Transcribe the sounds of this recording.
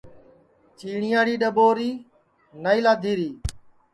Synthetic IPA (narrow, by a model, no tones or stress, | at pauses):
t͡ʃiːɳɪjaːɽiːɗəɓoːɾiː | naːiːlaːd̪ʱiːɾiː